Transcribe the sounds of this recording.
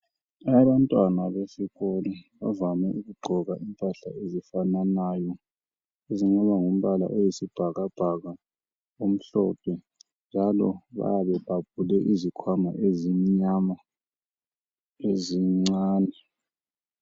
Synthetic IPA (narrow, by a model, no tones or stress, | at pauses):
aβantʼwanaβesiɣɔliβa̰vamɛ̰ʔuɣuɡ͡ǃʱɔɣaʔimpʼaɬa̰ezifananaːjɔ | eziŋ͡ǀaβaŋum̩βala̰ʔojisib̥ʱaɣab̥ʱaɣa | om̩ɬɔpʰɛ | nd͡ʒʱalɔβa̰jaβɛb̥ʱab̥̚ʱulɛʔizikʰwama̰ʔezimiɲama | eziŋ͡ǀaːnɛ